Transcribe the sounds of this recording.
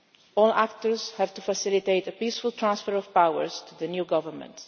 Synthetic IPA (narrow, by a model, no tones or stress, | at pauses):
ɔːla̰kt̪əɹzhævt̪ufasɪlit̪eɪtəpiːsfʊlˠt̪ʰɹãnsfəɹɔv̥pawə̰ɹz̥tuðənjuɡʌvəmə̰̃nt